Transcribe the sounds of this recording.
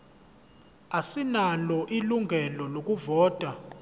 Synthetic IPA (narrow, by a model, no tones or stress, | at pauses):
asinalɔʔiluŋɡʱɛlɔlok̬ʼuvɔːtʼa